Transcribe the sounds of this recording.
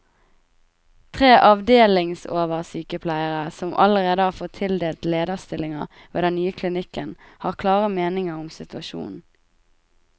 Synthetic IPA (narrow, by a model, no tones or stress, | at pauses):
t̪ʰʁeːʔɑʋd̪eːlɪŋsoːʋəʁsyːkəpʰlæɪəʁəsɔmʔɑ̰ləʁeːd̪əhɑːʁfoːʁt̪ʰɪld̪eːlt̪leːd̪əʁst̪ɪlɪŋɑ | ʋḛːd̪ɛnnyːəkʰlɪnɪkənhɑːʁkʰlɑːʁəmeːnɪŋəʁʊmsɪt̪ʉɑʃṵːnn̩